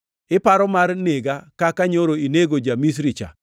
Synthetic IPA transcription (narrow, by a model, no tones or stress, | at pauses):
ɪpaɾɔmarneɡakakaɲoɾoineɡod͡ʒamis̬ɾit͡ʃa̰